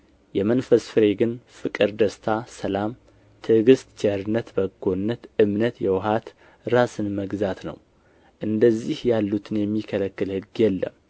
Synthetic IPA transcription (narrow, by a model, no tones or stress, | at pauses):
jɛmənfəsfɨɾeɡɨnfɨkʼɨɾd̪əst̪ʰasəlam | t̪ʰɨɡɨst̪t͡ʃɛɾɨnːət̪bəɡːonːət̪ɨmnət̪jɛwɦat̪ | ɾasɨnməɡzat̪nə̰w | ʔɨnd̪əzːihjalːut̪ʰɨnjɛmːikʰələkːɨlhɨɡjɛlːə̰m